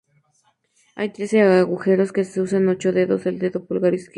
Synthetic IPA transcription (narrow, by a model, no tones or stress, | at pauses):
a̰jt̪ɾeseaaɣuxeɾoskeseusanot͡ʃoðeðoseld̪eðopulɡaɾisk